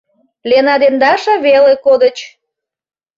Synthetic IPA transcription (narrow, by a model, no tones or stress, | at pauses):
lenɑd̪end̪ɑʃɑβelekod̪ət͡ɕ